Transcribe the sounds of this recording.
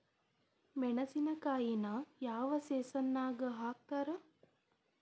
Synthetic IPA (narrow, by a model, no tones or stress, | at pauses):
menɐsinɐkaːjinajaːʋɐseːsɐnːaːɡəɦaːk̚t̪ɐɾə